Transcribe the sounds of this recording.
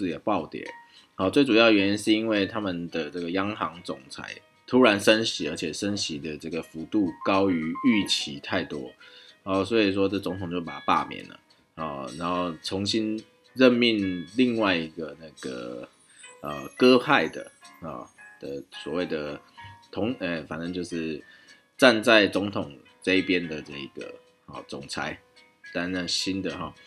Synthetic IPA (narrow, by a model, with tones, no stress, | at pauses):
jɛ˨˩pɑ˥˨˩ʊt̪jɛ̰˨˩ | hɔ˨˧˩t͡swe˥˩ɪʈ͡ʂu˨˩jɑ˥˩˨ɥɛ˧ni˧˥nʂɻ̩˥˩i˥nwe˥˩ɪt̪ʰa˥mə˨nd̪ə˩ʈ͡ʂə˥˩ɡə˩jɑ˥ŋxɑ˧˦ŋt͡sʊ˨˩ŋt͡sʰa̰˧˥ɪ | t̪ʰu˥ɻa˧˦nʂə˦˥nɕi˧˥ə˞˧˥t͡ɕʰjɛ˨˩ʂə˦˥nɕi˨˥d̪ə˨ʈ͡ʂə˥˩ɡə˩fu˨˥t̪u˥˩kɑ˦˥ʊy˧˥˦y˥˩t͡ɕʰi˨˥˦t̪ʰa˥˩ɪt̪wɔ˥ɔ˥˩s̬wɔ˧˥i˨˩ʂ̬wɔ˥ʈ͡ʂə˥˩t͡so˧˥ŋt̪ʰʊ˨˩ŋt͡ɕjo˥˩ʊpa̰˨˩pa̰˥˨mjɛ̰˨˩nlə̰˩ | ɔ˥˩na˧˥nxo˥˩ʊt͡sʰʊ˧˥ŋɕi˦˥n | ɻə˥˧nmi˥˧nli˥˧ŋwa˥˩ɪi˧˦˥ɡə˨na˥˩ɡ̥ə̰˩ | ə˩kɤ˥˦pa˥˩ɪd̪ə̰˩hɔ̰˨˩d̪̥ə˨˩swɔ˨˩we˥˩ɪd̪ə˩t̪ʰʊ˧˥ŋɛ˩fa˨˩nə˧˦ŋt͡ɕjo˥˧ʊʂɻ̩˥˩ | ʈ͡ʂa˥˧nt͡sa˥˩ɪt͡sʊ˧˦˥ŋt̪ʰʊ˨˩ŋ | ʈ͡ʂə˥˧i˥˩pjɛ˦˥nd̪ə˨ʈ͡ʂɤ˥˩i˧ɡ̥ə̰˩ | hɔ̰˨˩t͡sʊ˨˩ŋt͡sʰa˥ɪ | t̪a˥˧nnə˥˩ɕi˦˥nd̪ə˨xɔ̰˨˩